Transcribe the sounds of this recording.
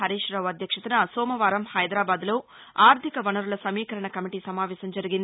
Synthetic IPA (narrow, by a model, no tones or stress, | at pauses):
ɐɾiːʂɾɐʋɐd̪ʱjɐkʂɐt̪unɐsoːmɐʋaːɾɐmhɐjd̪ɾaːbaːd̪lo̞ː | aːɾt̪ʰikɐʋɐnɐɾulɐsɐmiːkɐɾɐɳɐkɐmiʈiːsɐmaːʋɛːsɐmd͡ʒɐɾiɡind̪i